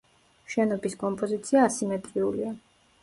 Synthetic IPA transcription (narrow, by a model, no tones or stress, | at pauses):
ʃɛnɔbiskʼɔmpʼɔzit̪sʰiaːsimɛt̪ʼɾiulia